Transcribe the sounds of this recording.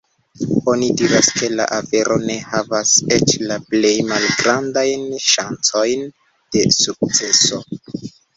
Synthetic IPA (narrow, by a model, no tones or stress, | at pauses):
o̞nidiɾaske̞la̰ʔafe̞ɾʔo̞ne̞havase̞t͡ʃlaple̞jmalɡɾandajnʃant͡so̞jn | d̥e̞suk̚t͡se̞so̞